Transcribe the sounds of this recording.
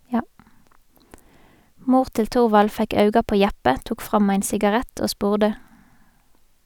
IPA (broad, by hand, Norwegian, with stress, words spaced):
ˈmuːʁ ˈtɪl ˈtʊʁʋɑl ˈfɛk ˈɑʉɡɑ ˈpoː ˈjæpə ˈtuːk ˈfʁɑm ˈæɪn sɪɡɑˈʁæt ˈoː ˈspuːʁdə